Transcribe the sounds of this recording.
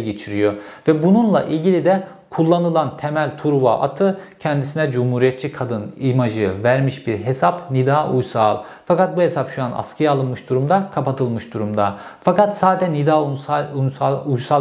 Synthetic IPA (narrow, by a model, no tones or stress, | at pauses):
ɟet͡ʃʰiɾijovɛbununlˠa̰ʔilʲɟilʲid̪ɛ | kʰulˠːanɯlˠant̪ʰemælʲt̪ʰuɾva̰ʔa̰t̪ʰɯcʰɛnd̪isinɛd͡ʒumhuːɾijɛt̪t͡ʃʰikʰad̪ɯnimaʒɯvæɾmiʃbiɾɦe̞sapnid̪aːʔujsaːlˠ | fakat̪̚buɦe̞sapʃujana̰skʰɯjalˠɯnmɯʃd̪uɾumd̪akʰapat̪ʰɯlˠmɯʃd̪uɾumd̪afakat̪saːd̪ɛnid̪aausaujsa